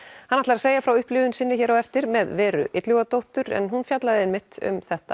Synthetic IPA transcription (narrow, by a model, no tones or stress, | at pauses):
hanːaht̪laɾaseːjafɾawʏhplʏːðʏnsɪnːɪçɛːɾawɛft̪ɪɾmɛðvɛːɾʏ̰ʔɪt̪lʏɣat̪owht̪ʏɾɛ̰nɦunfjat̪laðɪɛnmɪht̪ʏ̰mθɛht̪a̰